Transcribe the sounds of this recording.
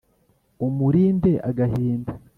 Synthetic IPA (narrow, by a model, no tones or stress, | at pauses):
umuɾiːmbe̞ʔa̰ɡaɦiːnba